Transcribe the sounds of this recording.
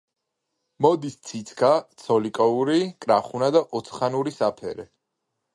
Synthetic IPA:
mɔd̪ist̪sʰit̪sʰkʰat̪sʰɔlikʼɔuɾikʼɾaχunad̪aʔɔt̪sʰχanuɾisapʰɛ̰ɾɛ

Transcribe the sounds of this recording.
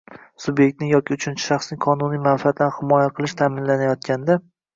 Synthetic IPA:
sʊbjek̚ʲt̪nɪŋjɒkʲɪʊt͡ʃʰʊnt͡ʃʰɪ̥ʃɑχsnɪŋqʰɒnʊnijmanfiat̪lanhɪmɒjaqʰɨlˠɪʃt̪ʰaːmɪnlanajɒt̪kʲʰand̪a

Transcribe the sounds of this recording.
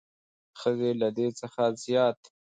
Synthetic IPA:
xəzelad̪et͡səxazjɑːt̪

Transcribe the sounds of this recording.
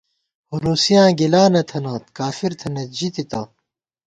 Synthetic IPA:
huɾuːsijãːɡilaːnɐt̪ʰɐnaːt̪kaːfiɾt̪ʰɐnɐt̪̚d͡ʑit̪it̪ɐː

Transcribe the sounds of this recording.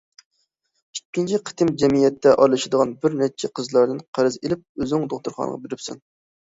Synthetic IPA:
y̥ːint͡ʃʰiqʰə̥t̪ɪmd͡ʒɛmijɛt̪ʰːɛʔɑɾlˠɨʃɪd̪əʁɑnbɪɾnɛt͡ʃʰɛqʰəzlˠɑɾd̪ɨnqʰæɾɨzelɪp̚øznɪŋd̪oχt̪uɾχɑ̰nə̰ʁɑ̰beɾɪpsṵn

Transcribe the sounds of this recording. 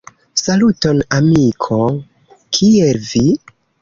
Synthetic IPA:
salutonamikʰo | kʰielvi

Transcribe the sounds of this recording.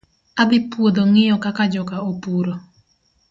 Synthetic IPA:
abɪpwod̪oŋɪjɔkakad͡ʒɔkaopuɾo

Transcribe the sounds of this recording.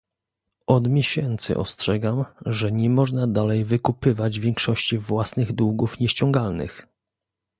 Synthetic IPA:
ɔd̪mʲjɛɕɛnt̪sɘ̰ʔɔ̰stʂɛɡamʐɛɲɛmɔʐnad̪alɛjvɘkupɘvad͡ʑvʲjɛŋkʂɔɕt͡ɕivwasnɘɣd̪wuɡufɲɛɕt͡ɕɔŋɡalnɘ̰x

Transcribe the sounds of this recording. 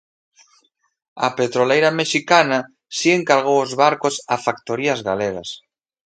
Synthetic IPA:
ɐ̰pet̪ɾolejɾameʃikana | sieŋkaɾɣ̞owozβaɾkosafakt̪oɾiazɣaleɣas

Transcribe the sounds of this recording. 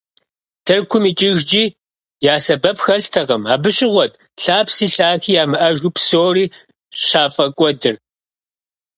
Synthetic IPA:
tʰɐrkʷʰʊmiːt͡ʃʼɪʒd͡ʒiː | jaːsɐbɐpxɐɬtʰɐʁɐmaːbɨɕʼɪʁʷɔtʼ | ɬaːpsiːɬaːxiːjaːmɨʔɐʒupsoːriː | ɕaːfʼɐkʷʼɔdɨr

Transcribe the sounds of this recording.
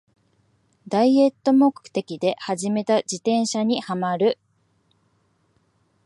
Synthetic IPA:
d̪aie̞t̪ːo̞mo̞kɯ̟̥t̪e̞kʲid̪e̞haʑime̞t̪ad͡ʑit̪ẽ̞ɰ̃ɕaɲ̟ihamaɾɯ̟

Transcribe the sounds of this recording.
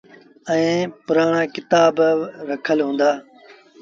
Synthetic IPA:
ɛ̃ẽːpʊɾaːɳaːkɪt̪aːbɾəkʰəlɦũːnd̪aː

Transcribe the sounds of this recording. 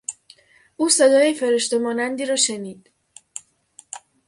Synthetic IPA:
ʔuːse̞d̪ɒːjefe̞ɾeʃt̪e̞mɒːnænd̪iːɾɒːʃeniːd̪̥

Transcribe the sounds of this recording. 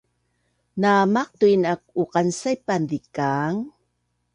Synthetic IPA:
namaq̚tuinak̚uqansajpandikaŋ

